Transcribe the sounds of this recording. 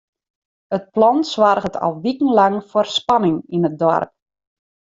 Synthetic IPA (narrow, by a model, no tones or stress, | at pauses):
ət̚plɔnswarɣətʰɔ̰lˠʋikən̩laŋforspanɪŋinət̚dɔ̰rp̚